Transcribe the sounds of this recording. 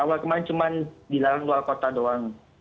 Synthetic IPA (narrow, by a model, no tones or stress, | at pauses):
awalkəmaɾɪnt͡ʃumandilaɾanlualkot̪adoaŋ